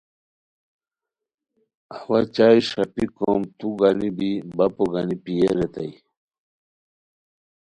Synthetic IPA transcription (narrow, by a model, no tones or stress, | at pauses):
awɐt͡ɕaːjʂɐpikomt̪uɡanibibɐpoɡanipijeɾet̪ɐi